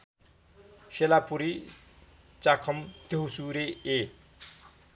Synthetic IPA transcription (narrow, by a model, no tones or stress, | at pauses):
selapuɾi | t͡sakʰʌmt̪eɦusuɾee